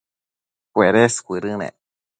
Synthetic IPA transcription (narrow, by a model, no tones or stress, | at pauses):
kueɾeskʷiɾɨnḛ̃